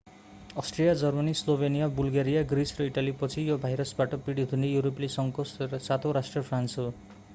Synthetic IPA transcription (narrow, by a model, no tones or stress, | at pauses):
ʌsʈrijad͡zʌrmʌnislobʱenijabulɡaɾijaɡrisrʌiʈalipʌt͡sʰijobʱajɾʌsbaʈʌpiɽit̪unejuɾoplesʌŋkosat̪ʰoɾasʈrʌpʰransɦo